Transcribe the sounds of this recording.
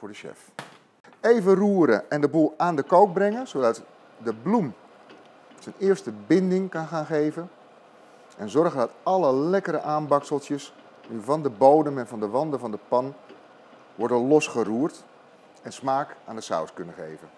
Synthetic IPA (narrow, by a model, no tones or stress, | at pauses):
fʊːɹdəʃɛ̰f | ejvəruːəɾəʔɛndəbulˠaːndəkowk̚brɛŋənzodɑt | dəblum | sənɪːərstəbɪndɪŋkɑnxaːnxeːvən | ʔɛnzɔrɣəndɔtɑləlɛkəɾəʔaːnbɑksəlˠsjəs | nyvɑndəboːdəmɛnvɔndəʋɑndəvɔndəpɑn | ʋɔrdənlɔsχəruːrt | ɛnsmaːkaːndəsa̰wskønəxḛːjvən